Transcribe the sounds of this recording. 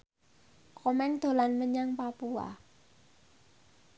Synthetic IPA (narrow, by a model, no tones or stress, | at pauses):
kɔmɛŋd̪̥o̤lanməɲaŋpapua̰